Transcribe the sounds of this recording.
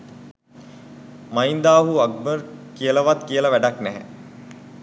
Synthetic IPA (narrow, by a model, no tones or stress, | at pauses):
maind̪aːɦuaɡ̚bərkijələʋat̪kijələʋæɖaknæɦæ